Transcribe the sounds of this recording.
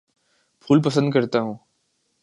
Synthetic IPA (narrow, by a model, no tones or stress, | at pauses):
pʰuːlpɐsə̃nd̪̚kɐɾt̪aɦũː